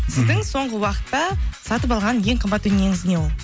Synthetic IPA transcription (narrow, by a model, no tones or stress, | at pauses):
sɪzd̪ɪŋso̞ɴʁəwɑqə̥t̪ːɑsɑt̪əpɑlˠʁɑnnje̞ɴqʰəmbɑt̪ːʏneŋɪzɪne̞wo̞lˠ